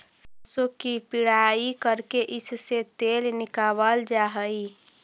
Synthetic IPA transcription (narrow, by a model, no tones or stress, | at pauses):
səsokipiɽaikəɾkeʔɪsset̪elnɪkabəld͡ʒaɦəi